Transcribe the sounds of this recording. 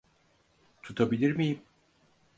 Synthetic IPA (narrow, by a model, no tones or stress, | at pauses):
t̪ʰut̪ʰabilʲiɾmijim